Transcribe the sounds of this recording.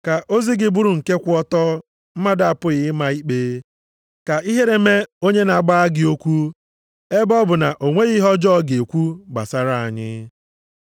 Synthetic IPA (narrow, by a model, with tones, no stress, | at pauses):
ka˨ʔo˦zi˦ɡɪ˨bu˦ɾu˨ŋ̩˨ke˦kʷʊ˦ɔ˦tɔ˦ | m̩˦ma˦da˨a˨pʊ˦ɣɪ˨˦ma˨i˦k͡peː˦ | ka˨i˦ɦe˦ɾe˦me˦o˦ɲe˦na˨a˨ɡ͡ba˦a˦ɡɪ˨o˦kʷu˦ | e˦bɔ˦bʊ˨na˨ʔo˨ŋʷe˦ɣi˦ɦɔ˦d͡ʒɔ˦ɡe˨kʷu˦ɡ͡ba̰˨sa˦ɾa˦a˨ɲɪ̰˦